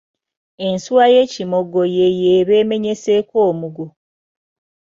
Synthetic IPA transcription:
ensuwaje̞ːcimo̞ɡo̞jejeːβe̞ːme̞ɲe̞sekoːmuɡo

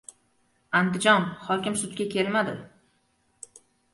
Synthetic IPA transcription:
and̪ɪd͡ʒɒnχɒkʲɪmsʊt̪kʲakʲʰe̞lmad̪ɪ

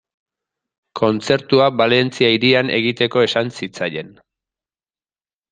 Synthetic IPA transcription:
kʰo̞nt͡se̞ɾt̪uabale̞nt͡siaiɾiane̞̰ɣit̪e̞ko̞esansit͡saje̞n

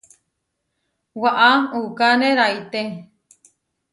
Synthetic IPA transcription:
waʔaukanẽɾait̪e

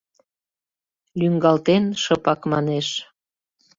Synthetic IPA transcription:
lyŋɡɑlt̪enʃɤpɑkmɑneʃ

